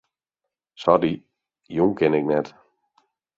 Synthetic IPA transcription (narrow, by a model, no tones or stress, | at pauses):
sɔdi | juŋkʰɪnɪk̚nɛt